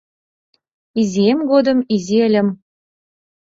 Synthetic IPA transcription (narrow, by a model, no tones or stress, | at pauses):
iziemɡod̪ə̆miziə̆lʲə̆m